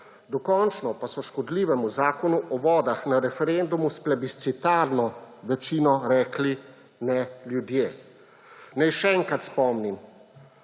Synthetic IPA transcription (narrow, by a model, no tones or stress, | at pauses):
d̪ɔkɔnt͡ʃnɔpasɔʃkɔd̪liːʋɛmuzaːkɔnuʔɔʋɔːd̪axnaɾɛfɛɾɛnd̪umusplɛbist̪sit̪aɾnɔʋɛt͡ʃiːnɔɾɛːkli | nɛljud̪jeː | nɛjʃɛɛŋkɾat̪spɔmnim